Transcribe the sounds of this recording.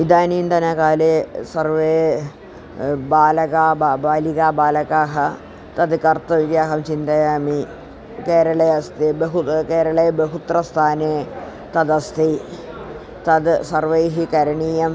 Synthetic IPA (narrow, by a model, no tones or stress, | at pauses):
id̪aːniːnd̪ɐnɐkaːlesɐrʋeː | baːlɐkaːbabaːlikaːbaːlɐkaːɦɐ | t̪ɐd̪kɐrt̪ɐʋid̪jaːɦɐmt͡ʃint̪ɐjaːmi | keːɾɐɭɐjɐst̪ebɐɦukeːɾɐɭebeɦut̪rɐst̪ʰaːneː | t̪ɐd̪ɐst̪ʰi | t̪ɐd̪sɐrʋɐjɦikɐɾɐɳiːjɐm